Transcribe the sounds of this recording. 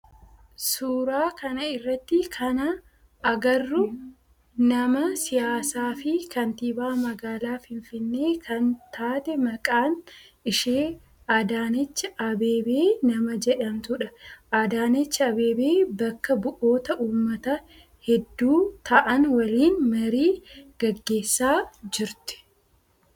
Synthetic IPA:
suːɾaːkɐnɐɪrːɐt̪ːɪkʰɐnɐ | ɐɡɐrːʊ | nɐmɐsɪjaːsaːfɪkɐnt̪iːbaːmɐɡaːlaːfɪnfɪnːe̞ːkʰɐnt̪ʰaːt̪ɛmɐkʼaːnɪʃeː | ʔad̪aːnɛt͡ʃːɪʔɐbe̞ːbeːnɐmɐd͡ʒɛᶑɐmt̪ʊᶑɐʔaːd̪aːnɛt͡ʃːɪɐbe̞ːbeːbɐkːɐbʊʔo̞ːt̪ɐʔuːmːɐt̪ɐ | hɛd̪ːuːt̪ʰɐʔɐnwɐliːnmɐɾiːɡ̥ɐɡːe̞ːsːaːd͡ʒɪɾt̪ɪ̥

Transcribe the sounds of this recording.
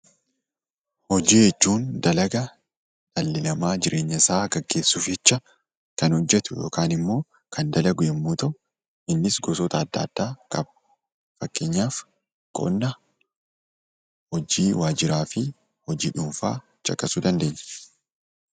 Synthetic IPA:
hɔd͡ʒiːhɛt͡ʃːuːnd̪ɐlɐɡɐ | d̪̥ɐlːɪlɐmaːd͡ʒɪɾʔe̞ːɲːɐɪsaːɡɐɡːe̞ːsːuːfɛt͡ʃːɐ | kɐnhɔd͡ʒːɛt̪ʊjo̞̰ːkaːnɪmːo̞ː | kʰɐnd̪ɐlɐɡʊjɛmːuːt̪ɐʔʊ | ʔɪnːɪsɡɔsɔt̪ɐːd̪ːɐ̰ːd̪̥ːaːkʼɐb̚ | fɐkːeːɲːaːf | kʼɔ̰nːɐ | hɔd͡ʒiːwaːd͡ʒɪɾaːfɪ | hɔd͡ʒiːᶑʊmfa̰ː | t͡ʃʼɐkʼɐsud̪ɐnd̪e̞ːɲːɛ̥

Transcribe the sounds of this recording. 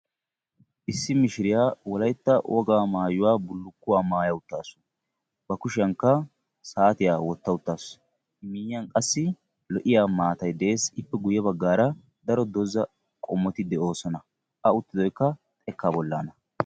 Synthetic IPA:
ʔɪsːɪmɪʃɪɾɪjaːwɔlɐjt̪ːɐwʔɔɡaːmaːjʊwaːbʊlːʊkːʊwaːmaːjɐwʊt̪ːaːsʊ̥ | bɐkʊʃɪjɐŋkːɐ | saːt̪ɪjaːwɔt̪ːɐʊt̪ːaːs | miːjːɐnkʼɐsːɪ | lɔʔɪjaːmaːt̪ɐjd̪ɛʔeːsɪpːɛɡʊjːɛbɐɡːaːɾɐ | d̪ɐɾɔd̪ɔzɐ | kʼɔmːɔt̪ɪd̪ɛo̞ːsɔnɐ | ʔɐʊt̪ːɪd̪ɔjkːɐ | t̪ʼɛkːabɔlːa̰ːnɐ

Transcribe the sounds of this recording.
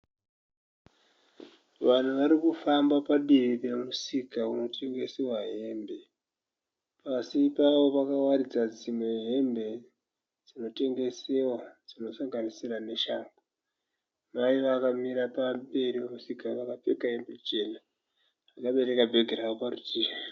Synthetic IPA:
ʋan̤uʋaɾikufambapaɗiripe̞musikauno̞tʰe̞ŋɡe̞sewaɦe̞ːmbe̞ | pasipaʋo̞pakawaɾid͡zad͡zimwe̞ɦe̞mbe̞ | d͡zino̞te̞ŋɡe̞sewad͡zino̞saŋɡanisirane̞ʃaːmbo | maiʋakamiɾapambe̞ɾiwemusikaʋakap͡fe̞kaɦe̞mbe̞t͡ʃe̞ːna | akaɓe̞ɾe̞kabʱe̞ɡʱeɾaoparutiːri

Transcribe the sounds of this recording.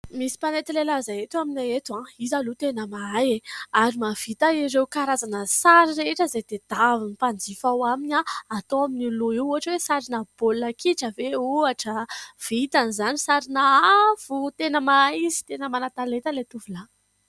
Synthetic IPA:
misi̥panet̪ilelazaet̪uaminaet̪uãizalut̪enəmaajeaɾimav̥it̪aiɾewkaɾazanəsaɾiɾeeʈ͡ʂəzed̪̥ed̪̥avinipand͡zifawaminaat̪oaminiloiwuɦaʈ͡ʂwesaɾinəb̥olːakʰiʈ͡ʂəveuaʈ͡ʂəv̥it̪anizanisaɾinaav̥ut̪enəmaajizi̥t̪enəmanat̪alet̪əlet̪uvula

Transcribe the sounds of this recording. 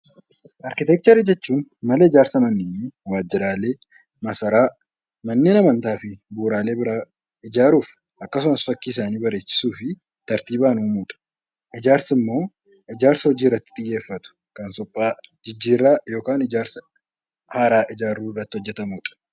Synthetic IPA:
ʔɐɾkɪt̪ɛk̚t̪ɐɾɪd͡ʒɛt͡ʃːuːnmɐlɛɪd͡ʒaːɾsɐmɐnːɪːnːwaːd͡ʒːɪɾaːle̞ː | mɐsɐɾaː | mɐnːeːnɐmɐnt̪aːfɪbuːɾaːleːbɪɾaː | ɪd͡ʒaːɾuːf | ʔɐkːɐs̬ʊmɐsfɐkːiːs̬aːniːbɐɾe̞ːt͡ʃːɪ̥suːfɪ | t̪ɐɾt̪iːbaːnuːmuːᶑʼɐ̥ | ʔɪd͡ʒaːɾsɪmːo̞ː | ɪd͡ʒaːɾsɐhɔd͡ʒiːɪrːɐt̪ːɪ̥t̪ʼɪjːe̞ːfːɐt̪ʊ̥ | kɐnsʊpʼːaːd͡ʒɪd͡ʒːiːrːaːjo̞ːkaːnɪd͡ʒaːɾsɐ̥ | haːɾaːʔɪd͡ʒaːɾːuːɪrːɐt̪ːɪhɔd͡ʒːɛt̪ɐmuːᶑɐ̥

